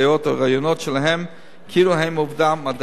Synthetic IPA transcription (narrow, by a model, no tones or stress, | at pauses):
jot̪aʁajonotʃelaɦem | kʰiluɦejmuvdamːad̪